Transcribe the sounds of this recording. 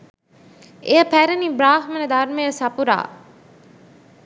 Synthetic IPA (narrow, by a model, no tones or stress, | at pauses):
ejɐpæɾɐnibɾaːɦmɐnɐd̪aɾmejəsɐpuɾa̰ː